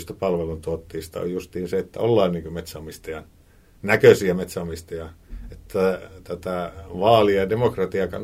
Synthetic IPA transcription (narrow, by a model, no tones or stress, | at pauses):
st̪æpɑlʋelunt̪uot̪ːiːst̪ɑ̰o̰jjust̪iːnseet̪ːæ̰olːɑːnniːŋkømet̪sæːmist̪ɑjɑ | nækøsiæmet̪sæomist̪ɑjɑet̪ːæt̪æt̪æʋɑːliɑdemokrɑt̪iɑkɑ̰n